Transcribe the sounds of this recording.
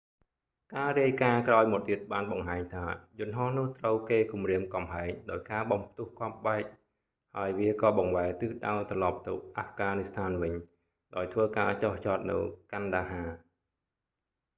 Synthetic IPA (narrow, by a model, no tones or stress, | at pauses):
kaːriəjkaːkraɔjmɔt̪̚ːiət̪̚ɓaːnɓɑŋɦaːɲt̪ʰaːjʊ̆ənɦɑhnʊ̆əht̪rəwkeːkumriəmkɑmɦaɛŋɗaɔjkaːɓɑmp̚ʰt̪uəhkʰoɑp̚ɓaɛk̚ | haəjʋiəkɑːɓɑŋʋaɛt̪ɨːɗa̰ɔt̪rɑlɑp̚t̪ɨwʔafɡaːnist̪ʰaːnʋɨɲ | ɗaɔjt̪ʰʋəːkaːt͡ɕoht͡ɕɑːt̪̚nɨ̰wkanɗaːɦaː